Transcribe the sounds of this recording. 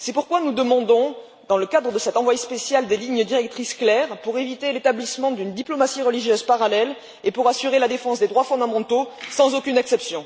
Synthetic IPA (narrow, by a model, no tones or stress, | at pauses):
sɛpuʁkwanud̪əmɑ̃d̪ɔ̃ | d̪ɑ̃ləkad̪ʁəd̪əsɛt̪ɑ̃vwajespesjald̪eliɲəd̪iʁɛk̚t̪χisklɛʁpuʁevit̪elet̪ablismɑ̃d̪ynd̪iplɔmasiʁəliʒjøzpaʁalɛl | epuʁasyʁelad̪efɑ̃sd̪ed̪ʁwafɔ̃d̪amɑ̃t̪osɑ̃zokʲynɛksɛpsjɔ̃